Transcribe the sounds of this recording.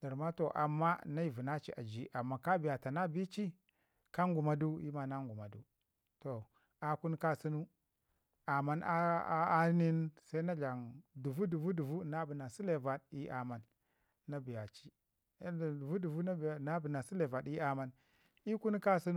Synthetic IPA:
d̥a˨ɾma˦to˨ʔa̰˨mːa˦na˦i˨vu˨na˦t͡ʃḭ˨ʔa˨d͡ʒi˦ʔa˨mːa˨ka˦bi˨ja˨ta˨na˦bi˦t͡ʃi˦ | ka˦ŋɡu˨ma˦du˦ḭ˦ma˨na˦ŋɡu˨ma˨du˦ | to˨ | a˨ku˦n˦ka˦si˦nu˦ | a˨ma˦na̰˦a˦ni˦nsa˦i˦na˦d͡ʒa˨ŋdu˨vu˦du˨vu˦du˨vu˦na˦bi˨na˨si˦le˨va˨di˦ʔa˨ma˨nː | a˦bi˨ja˨t͡ʃi˦˨ | du˨vu˦du˨vu˦na˦bna˦bi˨na˨si˦le˨va˨ɗi˦a˦ma˦n | i˦ku˦n˦ka˦si˦n˦

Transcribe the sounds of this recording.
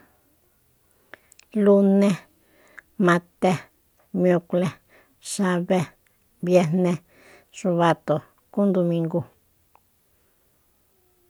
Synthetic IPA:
lu˧nẽ˦ | mã˧t̪e˦ | mjo˧kle˧ | ʃa˧βe˦ | bje˧nẽ˧ | ʂu˧βa˧t̪o˨ | ku˦nd̪o˧mĩ˧ŋɡu˧

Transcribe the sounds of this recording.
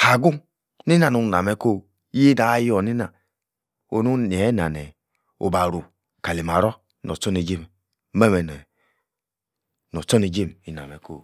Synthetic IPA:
ha˨ɡu˦ | ni˦na˨nu˨na˨mɛ˨˦ko˦ | i˦na˨˦jɔ˨ni˦na˨ | o˨nu˦n˨ɛ˨˦na˨nɛ˨ | o̰˨ba˨ɾu˨ | ka˨li˨m˨a˨ɾɔ˦ | nɔ̰˨t͡ʃo˦ni˨d͡ʒe˦m˨˦ | mɛ˦˨mɛ˨nɔ˨ | nɔ˨t͡ʃɔ˦ni˨d͡ʒe˦˨mi˨na̰˨mɛ˨ko̰˦˨

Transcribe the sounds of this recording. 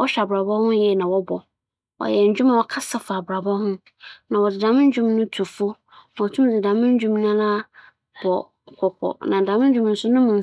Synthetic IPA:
wɔ˦ɕᶣa˨bɾa˨bɔ˦hʊ̃˦jɛ˦˨nã˨wɔ˦bɔ˨ | wɔ̰˨jɛ˨ɲ̩˨d͡ʑᶣu˦mã˨wɔ˨kʰa˦sa˨fa˨bɾa˨bɔ˦hʊ̃˦ | nã˨wɔ˨dɪ˨dã˨mɪ̃˦n˦d͡ʑᶣũ˦mnʊ̃˦tʰu˨fʊ˦ | n˨wɔ˨tʰũ˦m˦dɪ˨dã˨mɪ̃˦n˦d͡ʑũ˦mnã˦la˦ | bɔ˨ | kʰɔ˨kʰɔ̰˨nã˨dã˨mɪ̃˦n˦d͡ʑᶣũ˦m˦n̩˦sʊ˦nʊ̃˦mʊ̃˨n˨

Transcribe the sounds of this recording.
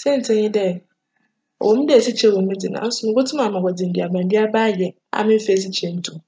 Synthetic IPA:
sɛ˦n̩˨tʰɪ̃˦ɲɪ̃˦dɛ˦˨ | wõ˨mĩ˦dɛ˨sɪ˦t͡ɕʰɛ˦wõ˨m˦ĩ˦di˨nã̰˨˦sʊ˦mɪ̃˦ɡʊ˦tʰʊ˦ã˨mã˨wɔ˨d͡zɪ˨n̩˨di˨a˨bã˨n̩˨di˦a˦ba˦˨jɛ˨ | a̰˨mɪ̃˦m̩˦fɛ˨s̬ɪ˦t͡ɕʰɛ˨n̩˦tʰũ˨

